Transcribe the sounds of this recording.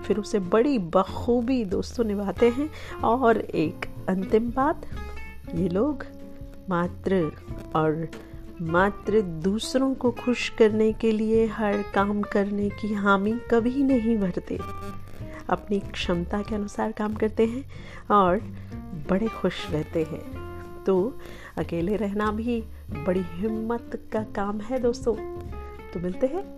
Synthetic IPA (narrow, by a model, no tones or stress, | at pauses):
fɪɾʊsebɐɽibɐxuːbid̪oːst̪õnɪʋaːt̪eɦɛ̃ɔːɾeːkɐ̃nt̪ɪmbaːt̪jeːloːɡ | maːt̪ɾə | ɔːɾ | maːt̪ɾəd̪uːsɾõkoxʊʃkɐɾnekelieɦɐɾkaːmkɐɾnekiɦaːmikɐbʱinɐɦĩbʱɐɾt̪ḛː | ɐ̰pnikʃɐmt̪akeɐnʊsaːɾkaːmkɐɾt̪eɦɛ̃ː | ɔːɾbɐɽexʊʃɾɛɦt̪eɦɛ̰̃ː | t̪oː | ɐkeːleɾɛɦnabʱi | bɐɽiɦɪmːət̪kakaːmɦɛd̪oːst̪õː | t̪omɪlt̪eɦɛ̃ː